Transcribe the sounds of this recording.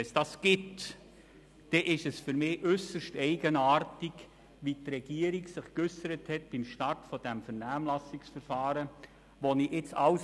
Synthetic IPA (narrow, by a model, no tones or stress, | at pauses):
ɛsd̥ɑsɡ̥ɪt | d̥ɛʔɪʃɛsfʏɾmɪːʔʏsəʃtɛɪɡənaːrtik | ʋitɾɛɡ̥iəɾiɡsɪχkʏsəɾəthɛt̚b̥ɪmʃtɑrtfɔd̥ɛmfɛɾnæːmlɑsɪksfəɾfɑːɾə | ʋoniʔɪt͡sɑws